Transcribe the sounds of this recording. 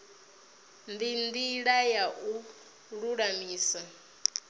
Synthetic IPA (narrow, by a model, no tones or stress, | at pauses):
ndindiɺajaʔu | ɺuɺamiːsa